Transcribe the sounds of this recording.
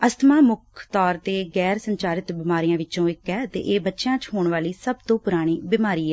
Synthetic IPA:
əst̪maːmʊkʰt̪ɔːɾt̪eːɡɛːɾsəɲt͡ʃaːɾɪt̪bɪmaːɾijãːʋɪt͡ʃõːɪkːɛːət̪ḛːʔeːbətːʃjãːt͡ʃɦoːɳʋaːliːsəbt̪õːpʊɾaːɽ̃iːbɪmaːɾiːɛː

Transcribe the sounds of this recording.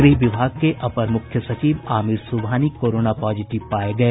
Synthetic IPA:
ɡɾiɦʋɪbʱaːɡ̚keʔɐpəɾmʊkʰjəsɐt͡ʃiːʋaːmɪɾsubʱaːnikoːɾoːnapɔːd͡ʒɪʈɪʋpaːeɡɐeː

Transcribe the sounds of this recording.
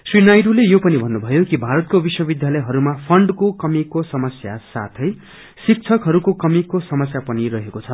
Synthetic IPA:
srinajɖulejopʌnibʱʌnːubʱʌjokibʱaɾʌt̪̚kobiswʌbid̪jalʌjɦʌɾumapʰʌɳɖkokʌmikosʌmʌsja̰sa̰t̪ʰʌj | sik̚t͡sʰʌkɦʌɾukokʌmikosʌmʌsjapʌniɾʌɦekot͡sʰʌ

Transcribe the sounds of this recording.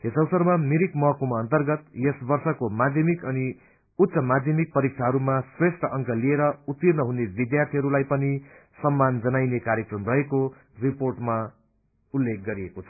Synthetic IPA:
ɦesʌwsʌrmamiɾikmʌɦʌkumaʌnt̪ʌrɡʌt̪jesbʌrsʌkomad̪ʱjʌmikʌni | ut̪ːsʌmad̪ʱjʌmik̚pʌɾik̚t͡sʰaɦʌɾumasresʈʌʔʌŋkʌlieɾʌut̪ːirnʌɦunebid̪jart̪ʰiɦʌɾulajpʌnisʌmːand͡zʌnajnekaɾjʌkrʌmrʌɦeko | riporʈma | ulːek̚ɡʌɾiekot͡sʰʌ̥

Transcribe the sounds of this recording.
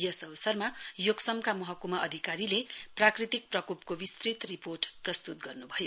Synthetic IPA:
jʌsʌbsʌrmajoɡsʌmkamʌɦʌkumʌʔʌd̪ʱikaɾileprakrit̪ik̚prʌkup̚kobist̪rit̪riporʈprʌst̪ut̪ɡʌrnubʱʌjo

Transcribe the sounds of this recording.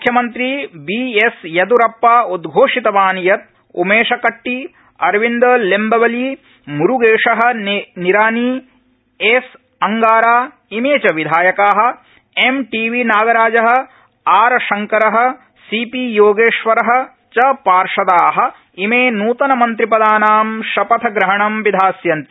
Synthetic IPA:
mukʰjɐmɐnt̪ɾibiːesjɐd̪uɾɐpːaːud̪ɡʱoːʂit̪ɐʋaːnjɐt̪̚ | ṵmeːʃɐkɐʈːi | ɐɾʋind̪ɐlembɐʋɐliː | muɾuɡeːʂɐɦɐ̆niɾaːniː | es | ɐŋɡaːɾaː | imeːt͡ʃɐʋid̪ʱaːjɐkaːɦɐ̆ | emʈiːʋiːnaːɡɐɾaːd͡ʒɐɦɐ̆ | aːɾɐʃɐŋkɐɾɐɦɐ̆ | siːpijoːɡeːʃʋɐɾɐɦɐ̆ | t͡ʃɐpaːɾʂɐd̪aːɦɐ̆ | imeːnuːt̪ɐnɐmɐnt̪ɾipɐd̪aːnaːmʃɐpɐt̪ʰɐɡɾɐɦɐɳɐmʋid̪ʱaːsjɐnt̪i

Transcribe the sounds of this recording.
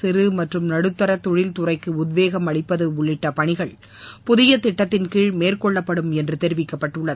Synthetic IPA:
sɪɾɯmɐʈrɯmnɐɽɯt̪ːɐɾɐt̪ːɔɻɪlt̪ʊrɐɪkːɯʊðʋeːɣɐmɐɭɪpːɐðɯʊɭːɪʈːɐpɐɳɪɣɐɭ | pʊðɪjɐt̪ːɪʈːɐt̪ːɪnkɪɻmeːrkɔɭːɐpːɐɽɯmɛndrɯt̪ɛɾɪʋɪkːɐpːɐʈːɯɭːɐðɯ

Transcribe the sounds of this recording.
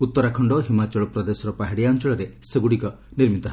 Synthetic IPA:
ut̪ːɔɾakʰɔɳɖɔɦimat͡ʃɔɭɔpɾɔd̪esɔɾɔpaɦiɽiant͡ʃɔɭɔɾeseɡuɽikɔ | niɾmit̪ɔɦ

